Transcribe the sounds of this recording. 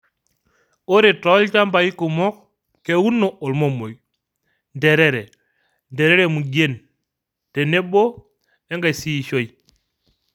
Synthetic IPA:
o˦ɾe˨tɔ˦lt͡ʃa˦mba˨i˦ku˨mɔ˦k̚ | ke˨wu˦nːo˨o˨lmo˦mo˨j | nde˨ɾe˦ɾe˨ | nde˨ɾe˦ɾe˨mu˨ɟe˦n | te˨ne˦bo˦ | e˦ŋɡa˨si˦˨ʃo˦˨j

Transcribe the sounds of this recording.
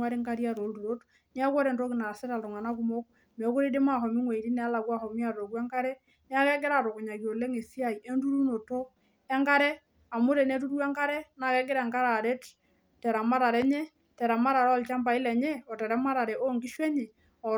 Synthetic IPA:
a˦ɾe˦ŋɡa˦ɾi˦a˦˨ɾɔ˨ldu˨ɾo˦t | ni˦a˦kwɔ˦ɾe˨ndo˦ki˨na˨sɛ˦ta˨ltɔ˨ŋa˨na˦ku˨˦mo˦k | mɛ˨˦ko˦ɾe˦de˦ma˦˨ɦɔ˨mi˦ŋwe˨i˨ɾi˦nɛ˦la˨kwa˦hɔ˨mi˦a˨ɾɔ˨kwɛ˦ŋɡa˦ɾɛ˦ | nɪ˦a˦kɛ˦ɡe˦ɾa˨to˨ko˨ɲa˨ki˨o˨le˦ŋe˨si˦a˦˨i˨ʔe˦ndu˦ɾu˦no˨to˦ | ɛ˦ŋɡa˦ɾɛ˦ | a˨mo˦ɾe˨nɛ˦tu˦ɾwɛ˦ŋɡa˦ɾɛ˦na˨kɛ˦ɡɪ˦ɾa˨ŋɡa˦ɾa˨ɾe˦t | tɛ˨ɾa˨ma˦ɾa˨ɾɛ˦ɲɛ˦ | tɛ˨ɾa˨ma˦ɾa˨ɾɔ˦lt͡ʃa˦mba˨i˦lɛ˨ɲɛ˦ɔ˨tɛ˨ɾɛ˦ma˦ɾa˨ɾɛ˨ʔo˦ŋɡi˦ʃwɛ˦ɲɛ˨ | ɔ˨

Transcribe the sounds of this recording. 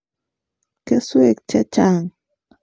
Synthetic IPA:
ke˦swe˨k̚t͡ʃɛ˦t͡ʃa˦˨ŋ

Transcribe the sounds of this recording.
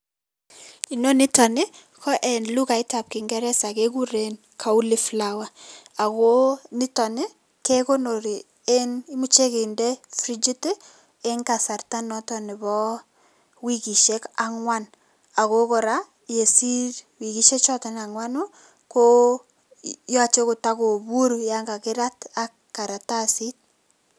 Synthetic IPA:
i˨no˦nɪ˦tɔ˨nɪ˦ | kʰɔ˦ʔɛ˨nlu˦ka˨ɪ˦ta˨p̚ki˨ŋɡɛ˦ɾɛ˦sa˨ke˦ɡu˦ɾe˨n | kʰa˨u˦li˦flawa˦a˨ko˦nɪ˦tɔ˨nɪ˦ | ke˦ko˦no˨ɾi˨ | e˦ni˦mu˦t͡ʃe˦kɪ˨ndɛ˦fɾi˦d͡ʒi˦t | e˦ŋka˨sa˨rta˦nɔ˦tɔ˨nɪ˨bɔ˦ | wi˦ɣi˨ʃe˦ka˦ŋwa˦n | a˨ɣo˦kɔ˨ɾa | je˨si˦ɾwi˨ɣi˦ʃe˦t͡ʃɔ˦ta˨na˨ŋwa˦nu˦ | ko˦ | jɔ˦a˦˨t͡ʃe˦ko˨ta˦ko˨βu˦ɾja˦ŋɡa˨kɪ˦ɾa˦ta˦kː | a˨ɾa˨ta˦si˦t̚

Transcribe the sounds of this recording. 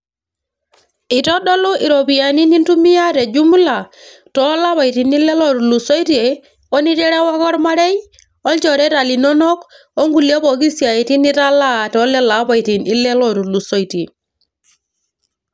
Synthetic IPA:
i˨tɔ˦dɔ˦lɔ˦ʔi˨ɾo˨pi˨ja˨ni˦ni˦ntu˦mi˦ja˦ɾe˨d͡ʒu˦mu˦la˨ | tɔ˨˦la˦pa˨i˨ti˨ni˦lɛ˦lɔ˦ɾu˨lu˨sɔ˦i˦ti˦e˨ | ɔ˦ni˦tɛ˦ɾɛ˦wa˦kɔ˦ɾma˦ɾɛ˦j | ɔ˦lt͡ʃɔ˨ɾɛ˦ta˨li˨nɔ˦nɔ˦k | o˦ŋɡu˨li˦ɔ˦pɔ˨ki˦si˨a˨i˨ti˦ni˦ta˦la˦˨tɔ˨˦lɛ˦la˨˦pa˨i˨ti˨ni˦lɛ˦lɔ˨ɾu˨lu˨so˦i˨te˨

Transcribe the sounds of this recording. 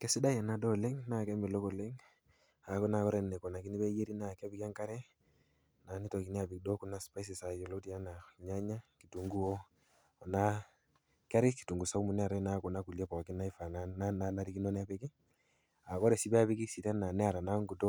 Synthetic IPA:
kɛ˦sɪ˦da˦ja˨na˨dɔ˦˨le˦ŋna˦˨kɛ˦mi˨lo˦ko˨le˦ŋ | a˨ku˦na˨kɔ˦ɾɛ˨ne˨kɔ˨na˨ki˦ni˦be˦je˦ɾi˦na˦˨ka˦bi˦ka˦ŋka˦ɾɛ˦ | na˨ni˦tɔ˨ki˨ni˦a˨bi˨k̚dɔ˦ku˦na˦spa˦is̬i˨sa˨jɔ˨lo˦ti˦a˦na˨ɲa˦ɲa˦ki˨tu˨ŋɡu˦o˦˨ | na˦ | ka˦ɾɪ˦ki̥˨tu˨ŋɡu˨sa˦u˦mu˨nɛ˦a˨ɾɛ˦na˦˨kɔ˨na˦ku˨lja˦pɔ˨kɪ˦na˦i˦fa˨nana˦na˦na˦ɾi˦ki˦nɔ˦nɛ˦a˦pe˦kɪ˦ | a˨kɔ˦ɾɛ˨si˦bɛ˦a˦pi˦ki˦si˨tɛ˦na˨nɛ˦a˨ɾa˨na˦ŋɡu˨to˦

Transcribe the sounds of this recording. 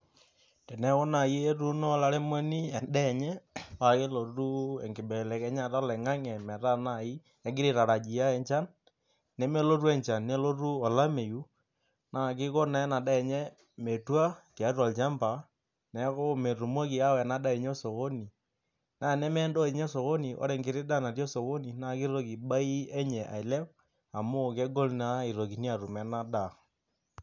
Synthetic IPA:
tɛ˨nɛ˦kɔ˦na˨ji˦e˦tu˦nɔ˦la˦ɾɛ˦mo˦ni˦ɛ˨ndɛ˦˨ɲɛ˦wa˨ke˦lo˨tu˦ɛ˨ŋɡɪ˨bɛ˨lɛ˨kɛ˦ɲa˨ta˦lɛ˨ŋa˦ŋɛ˨mɛ˨ta˦na˦˨i˦ | ɛ˨˦ɡɪ˦ɾɪ˦˨ɾa˨ɾa˨d͡ʒi˨ja˦ɛ˨ɲt͡ʃa˦nː | ɛ˦me˦lo˦ru˦ɛ˨ɲt͡ʃa˨nne˦lo˦ru˦ɔ˨la˦me˨ju˦ | na˨k̬ɪ˦ko˦na˨ɛ˦na˨da˦ɛ˨ɲɛ˦ | me˨twa˦kɛ˨a˦rwa˨lt͡ʃa˦mpa˨ | nɛ˨˦kɔ˦ɔ˦mɛ˨ru˨mo˦ki˨a˦wɛ˨na˦da˦ɛ˨ɲ˦ɛ˦so˨ko˦ni˨ | naː˦˨nɛ˦mɛ˦ndɔ˦e˨ɲɛ˦so˨ko˦ni˨ʔɔ̰˦ɾɛ˨ŋɡɪ˨ɾɪ˦da˦˨na˨tjɔ˦so˨ko˦ni˨na˦˨kɪ˦ɾo˦ki˨ɓa˦i˦ɛ˦ɲɛ˨ʔa̰˨i˨lɛ˦w | a˨mʊ˦kɛ˦ɡɔ˦lna˦i˨ɾo˨ki˨ni˦a˨ru˨mɛ˨na˦da˨

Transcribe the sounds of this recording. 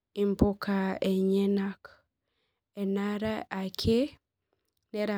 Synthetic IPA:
i˨mpo˦ka˨e˨ɲe˦na˦k | e˨na˦ɾa˦a˨kʰe˦ | ne˦ɾa˨

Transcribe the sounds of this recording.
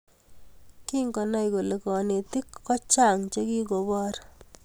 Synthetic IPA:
ki˦ŋɡɔ˨nɔ˦jko˨le˨kɔ˨ne˨ti˦kːɔ˦t͡ʃa˦˨ŋt͡ʃe˦ki˦ko˨bɔː˦ɾ

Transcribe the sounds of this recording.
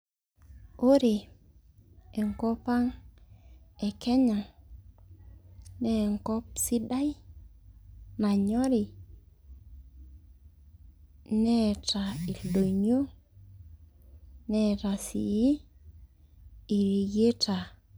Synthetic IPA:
o˦ɾe˨ | e˨ŋkɔ˦pa˦ŋ | ɛ˨kɛ˦ɲa˨ŋ | nɛ˦˨ŋkɔ˦p̚si˦da˦i˦ | ma˨ɲɔ˦ɾi˨ | nɛ˦˨ta˨i˨lo˨ɲo˦ | nɛ˦˨ta˨sḭ˨ji˦ | i˨ɾi˨ɡe˦ta˨

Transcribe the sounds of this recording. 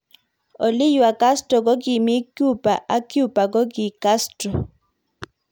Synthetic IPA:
o˨lɪ˦ju˨a˨ka˦stɾɔ˨kɔ˦ɡɪ˨mɪ˦kju˦pa˨ʔa˦kju˦pa˨kɔ˦ɡɪ˨ka˦strɔ˨

